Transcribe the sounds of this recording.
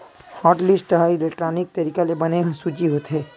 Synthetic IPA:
hɔːʈlɪsʈʈɐɦaːiɪlekʈɾaːnɪk̚t̪ɐɾiːkalebɐneɦsuːt͡ʃiɦoːt̪ɦɛː

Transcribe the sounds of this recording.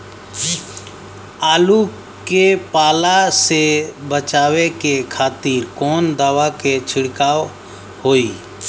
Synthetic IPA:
aːlu | kepaːlasebət͡ʃaːwekekʰaːt̪iːɾkɔːnd̪aːwaket͡ʃʰɪɽkaːw | hoːiː

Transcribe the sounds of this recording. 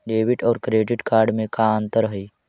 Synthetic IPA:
ɖeʋiʈɔːɾkɾeɖiʈkaɾɖmẽkaənt̪əɾɦi

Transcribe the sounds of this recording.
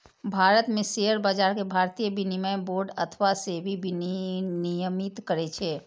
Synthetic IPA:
bʱaːɾət̪mẽseəɾbad͡ʒaːɾkebʱaɾt̪ijəbinimajboːɾɖət̪ʰʋasebʱibʱinnijəmit̪kəɾet͡ʃʰɛ

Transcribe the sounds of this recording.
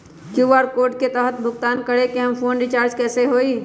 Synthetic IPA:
kjuːʋaːɾkoːɾʈket̪ɛːɦət̪̚bʱʊɡt̪aːnkəɽekeɦɐmfoːnɾɪt͡ʃaːɾd͡ʒkɛːseɦoːiː

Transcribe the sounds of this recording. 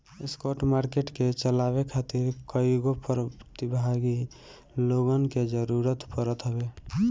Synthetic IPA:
eskoɾʈmaɾkeʈket͡ʃəlaβekʰat̪iɾkəiɡopɾət̪ibʱaɡi | loɡənked͡ʒəɾuɾət̪pəɾət̪ɦəbe

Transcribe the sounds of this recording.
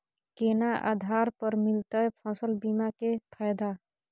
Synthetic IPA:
keːnaʔa̰d̪ʱaːɾpəɾmɪlt̪aɛpʰasəlbimakepʰajd̪a

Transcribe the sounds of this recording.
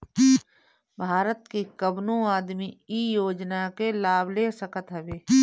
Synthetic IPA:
bʱaːɾət̪kikəbnũaːd̪miiːjoːd͡ʒnakelaːbleːsəkət̪ɦɛʋeː

